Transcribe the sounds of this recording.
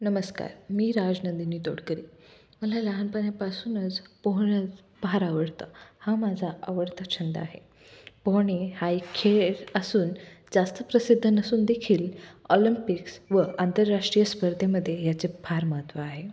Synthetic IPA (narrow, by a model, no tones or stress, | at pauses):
nəməska̰ɾmiːɾad͡ʑnənd̪inːiːt̪o̰ɽkəɾiː | məlaləɦanpəɳjapasuːnət͡spɔɦɽ̃ət͡s | bʱaɾaʋəɽt̪a̰hamad͡zʱaəʋəɽt̪ət͡ɕʰənd̪ə̰aɦe | poɦɽ̃ehaikʰeɾəsuːnd͡zast̪əpɾəsid̪ʱːənəsuːnd̪ekʰiːlɔlimpiksʋəʔant̪əɾːaʂʈɾijəspəɾd̪ʱjeməd̪ʱːjejat͡sebʱaɾməɦət̪ʋaːɦe